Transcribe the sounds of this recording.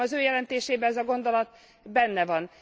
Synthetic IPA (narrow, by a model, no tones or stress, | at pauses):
ɒzøːjɛlɛnt̪eːʃeːbɛɛzɒɡo̞nd̪o̞lɒt̪ | bɛnːɛvɒn